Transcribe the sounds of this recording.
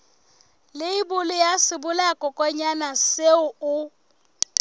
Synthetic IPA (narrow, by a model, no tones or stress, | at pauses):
lɪibʊlɪjasɪbʊlakʼɔkʼɔɲanaseʊʊ